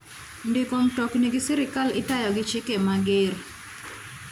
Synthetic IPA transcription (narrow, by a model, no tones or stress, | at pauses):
ndɪkomtɔkniɡɪsɪɾɪkalɪtajɔɡɪt͡ʃɪkemaɡɪɾ